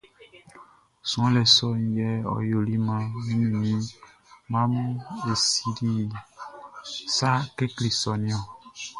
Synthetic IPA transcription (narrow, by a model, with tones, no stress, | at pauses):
sũ˨ɔ̃˦lɛ˨sɔ˦n̩˨jɛ˦ɔ̰˨jo˨li˦mã˦mĩ˦nĩ˨nĩ˦ | mã˦m˦e˨si˨di˦˨ | sa˦ke˦kli˨sɔ˨nĩ˦ɔ̃˨